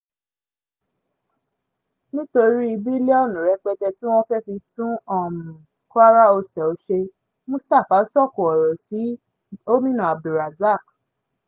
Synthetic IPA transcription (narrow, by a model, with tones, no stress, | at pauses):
nĩ˦to˧ɾi˦i˧bi˦lɛ˦ɔ˦˨nũ˨ɾɛ˨˧˦k͡pɛ˧tɛ˧ti˦w̃ɔ̃˦fɛ˦fi˧tũ˦ɔ˦˨mũ˨ | kwa˦ɾa˦o˧stɛ˨o˧˦ʃe˧ | mũ˦sta˦˨fa˨˦sɔ˦˨ko˨ɔ˨ɾɔ˨si˨˦ | o˦mĩ˦nã˨a˨bu˨ɾa˨za˦˨k